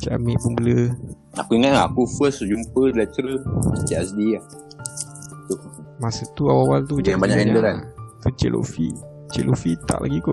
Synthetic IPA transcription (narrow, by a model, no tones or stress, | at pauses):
t͡ʃaʔamipunbələ | akuiŋatŋaakufəsud͡ʒumpədlat͡ʃɾət͡ʃaʔɛsdiah | t̪umasət̪uawaawalt̪ud͡ʒaabaɲaɛɲadəɾant̪ut͡ʃḛlʔo̰fiʔ | t͡ʃḛlʔofiʔt̪a̰ʔla̰ɡikoʔ